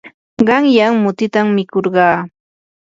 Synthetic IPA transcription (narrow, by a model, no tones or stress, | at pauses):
ɢɑŋjaŋmʊt̪ɪt̪amːɪkoɾɢɑː